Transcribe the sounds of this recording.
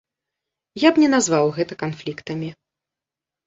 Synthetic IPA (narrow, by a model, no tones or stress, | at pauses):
jabnʲɛnazvawɣɛt̪ɐkanflʲikt̪ɐmʲi